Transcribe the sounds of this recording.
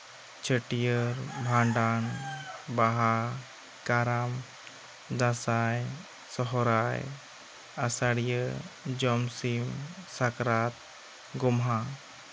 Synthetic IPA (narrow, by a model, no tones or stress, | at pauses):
t͡ʃʰəʈijəɾbʱãɳɖanbaɦa | kaɾam | d̪asaj | sɔɦɔɾaj | asaɽijəd͡ʒɔmsimsakɾat̪̚ | ɡɔmɦa